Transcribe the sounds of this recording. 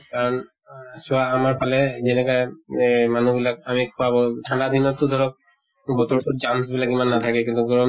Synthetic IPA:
kaɹɔn | sɔaːmaɹpʰalɛzɛnɛkɔjmanubilak̚amikʰɔwabɔʈʰanɖad̪ʱinɔt̪ːud̪ʱɔɹɔk̚ | bɔt̪ɔɹt̪ud͡ʒams̬bilakimanːat̪ʰakɛkint̪uɡɔɹɔm

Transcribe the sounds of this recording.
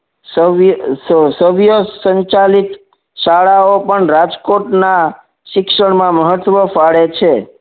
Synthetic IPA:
səʋjsəʋjəsəɲt͡ʃalit̪ | ʃaɭaopəɳɾad͡ʒkoʈna | ʃɪkʃəɳmãməɦət̪ʋəfaɭet͡ʃʰe

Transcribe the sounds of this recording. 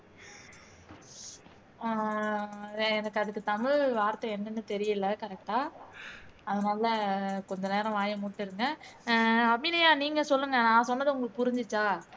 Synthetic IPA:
ɛnɐkːɯɐðɯkːɯt̪ɐmɪɻʋaːɾt̪ːɐɛnːɐnːɯt̪ɛɾɪjɯlːɐkɐɾɛk̚ʈaː | ɐðɐnaːlɐkɔɲd͡ʒɐneːɾɐ̃ʋaːjɐmʊʈːɪɾɯŋɡɐ | ɐbinɐjaːniːŋɡɐsɔlːɯŋɡɐnãːsɔnːɐðɯʊŋɡɐɭɐpʊɾɪɲd͡ʒɪt͡ʃːaː

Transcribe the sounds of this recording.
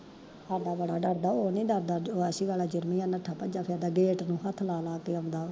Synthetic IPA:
ad̪aːbəɽaːɖəɾd̪aːoːnĩːɖəɾd̪aːoəsiːɡaːlaːd͡ʒʊɾmĩːãnəʈʰːaːpəd͡ʒaːpʰɪːd̪aːɡeːʈnũːɦət̪ʰlaːlaːkeːə̃ːnd̪aː

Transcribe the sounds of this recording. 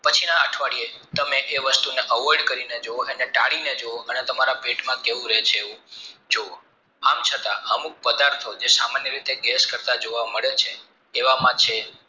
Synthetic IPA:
pət͡ʃʰinaəʈʰʋaɽie | t̪əmeʔeʋəst̪uneʔəʋɔɾɖkəɾined͡ʒooəneʈaɽined͡ʒooʔənet̪əmaɾabʱeʈmãkeʋũɾɛt͡ʃʰeeʋũd͡ʒoo | amt͡ʃʰət̪aəmuk̚pəd̪aɾt̪ʰod͡ʒesamanjəɾit̪eɡɛskəɾt̪ad͡ʒoʋaməɭet͡ʃʰeː | ʋamãt͡ʃʰe

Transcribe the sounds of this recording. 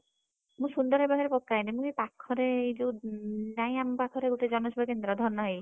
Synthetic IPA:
mũʃund̪ɔɾɦɔjbaɡaɾepɔkːajnimũepakʰːɔɾed͡ʒunajampakʰɔɾeɡuʈed͡ʒɔnɔʃɔbʱakend̪ɾɔd̪ʱɔɾnɔɦej

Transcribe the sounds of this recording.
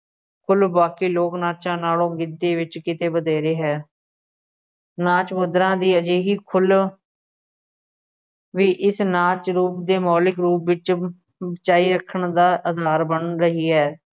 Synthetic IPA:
kʰʊlbaːkiːloːknaːt͡ʃãːnaːlõːɡɪd̪ːeːʋɪt͡ʃkɪt̪eːbəd̪eːɾeːɦɛː | naːt͡ʃmʊd̪ɾãːd̪iːəd͡ʒeːɦiːkʰʊl | ʋiːʔɪsnaːt͡ʃɾuːpd̪eːmɔːlɪkɾuːpʋɪt͡ʃ | ət͡ʃaːiːɾəkʰːəɳd̪aːʔəd̪ʱaːɾbəɳɾəɦiːɦɛː

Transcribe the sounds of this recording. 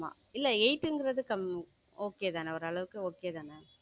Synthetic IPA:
a̰ːɪlːɛɛɪʈːɯŋɡɪɾɐðɯkɐm | oːkːejɐðaːnɛɔɾɯɐɭɐʋɯkːɯoːkːejɐt̪aːnɛ

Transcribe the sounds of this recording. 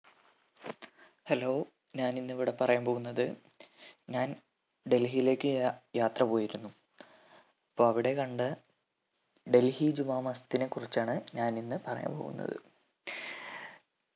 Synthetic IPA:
helo̞ː | ɲaːninːɨiʋiɽe̞pɐrɐjaːmpo̞ːɣunːɐðɨ | ɲaːn | ɖe̞lɦijile̞ːkʲːɨjaːt̪rɐpo̞ːjiɾunːu | ipːo̞ːɐʋiɽe̞kɐɳɖɨ | ɖe̞lhid͡ʑumaːmɐst̪ːine̞kːurit͡ɕːaːɳɨɲaːninːɨpɐrɐja̰ːmpo̞̰ːɣṵnːɐ̰ðɨ̰

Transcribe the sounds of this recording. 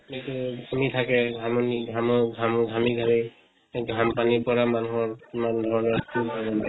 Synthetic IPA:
etuɡʱamitʰakɛɡʱamɔniɡʱamɔɡʱamɡʱamiɡʱami | ɡʱampanipɔɹamanuɦɔɹimandʱɔɹɔnɔɹtubaɹbana

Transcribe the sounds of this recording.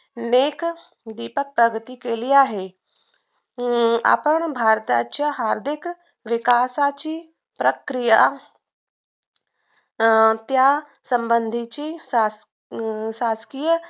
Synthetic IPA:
neːk | d̪iːpək̚pɾəɡət̪ikeːliaːɦe | a̰ːpəɽ̃bʱaːɾt̪a̰t͡ɕjaɦaːɾd̪ɪk | ʋɪkaːsat͡ɕiː | pɾəkɾija | t̪ja | sɐ̃mbənd̪ʱit͡ɕiːsa | saːskijə

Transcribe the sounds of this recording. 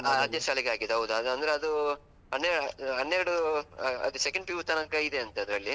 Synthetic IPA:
aaːd̪jɐʃaːliɡeaːɡid̪eɦɐwud̪uɐd̪ɐnd̪ɐɾeɐd̪u | ɦɐnːeɾɽɦɐnːeɾɐɽuɐ̰d̪usekɐɳɖ̚piʋut̪ɐnɐkɐid̪eɐnt̪ɐɐd̪ɾɐɭːi

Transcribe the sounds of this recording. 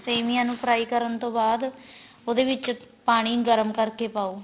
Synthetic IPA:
seːmijãːnũːpʰɾaːiːkəɾənt̪õːbaːd̪ | oːd̪eːʋɪt͡ʃpaːɽ̃iːɡəɾəmkəɾkeːpaːoː

